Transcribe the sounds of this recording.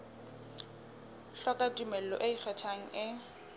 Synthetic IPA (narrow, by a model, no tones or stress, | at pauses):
ɬɔkʼatʼumɛl̩lɔ̰ʔɪik͡xʰɛtʰaŋ̩ɪ